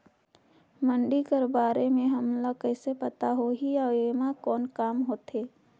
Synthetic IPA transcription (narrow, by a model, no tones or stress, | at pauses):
mə̃ɳɖikəɾbaːɾemẽɦɐmlakɛːsepɐt̪aɦoɦiaeːmakɔːnkaːmɦoːt̪eː